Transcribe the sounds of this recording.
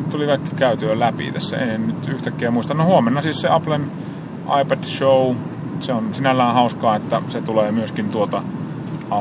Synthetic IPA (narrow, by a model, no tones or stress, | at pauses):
tt̪ulikɑˑikːikæyt̪iːlæpḭt̪æ̰sːæ̰ḛnnyt̪yht̪ækːeæmuist̪ɑnnohuomenːɑsiːsseɑplen | ʔɑ̰ipæd̥ʃou | seonsinælːæːhɑˑuskɑːet̪ːæset̪uleːmyøskint̪uot̪ɑ | ɑ